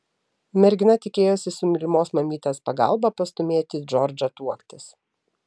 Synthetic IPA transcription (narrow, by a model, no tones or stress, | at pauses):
mʲɛɾʲɡʲɪnɐt̪ʲɪkʲeːjoːsʲɪsʊmʲɪlʲɪmoːsmɐmʲiːt̪ʲeːspɐɡɐ̰ˑlˠbɐpɐst̪ʊmʲeːt̪ʲiːd͡ʒɔɾʲd͡ʒɐt̪uɔkt̪ʲɪs